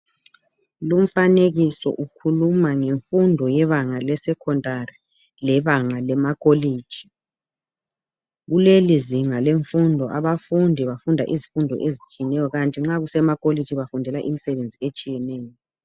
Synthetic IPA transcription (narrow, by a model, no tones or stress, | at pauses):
lum̩faneɣisɔ̰ʔukʰulumaŋeɱfundʱɔjɛβaŋalɛsɛkʰɔndʱʼari | lɛβaŋalɛmakʼoleːd̥ʒ̥ʱi̥ | ɣuleliziŋaleɱfundʱɔʔaβafundʱiβafundʱa̰ʔizifundʱɔ̰ʔezit͡ʃʼijnɛjɔɣantʼiŋ͡ǁaɣusɛmakʼole̥d͡ʒʱiβafundʱɛlaʔimisɛβend͡zʱiet͡ʃʼijɛnɛːjɔ